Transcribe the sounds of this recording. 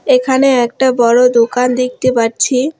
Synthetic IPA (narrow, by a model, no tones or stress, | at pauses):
ekʰaneɛk̚ʈabɔɽod̪okand̪ek̚t̪epaɾt͡ɕʰi